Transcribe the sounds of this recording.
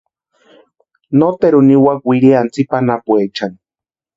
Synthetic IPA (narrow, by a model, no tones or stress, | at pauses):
not̪eɾuniwakwiɾiant͡sipanapwet͡ʃan